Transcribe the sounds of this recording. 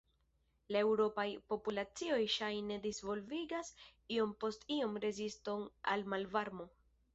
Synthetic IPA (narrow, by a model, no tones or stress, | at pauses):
lae̞wɾo̞pajpo̞pulat͡sio̞jʃajne̞disvo̞lviɡasio̞mpo̞stio̞mɾe̞zisto̞na̰lmalvaɾmo̞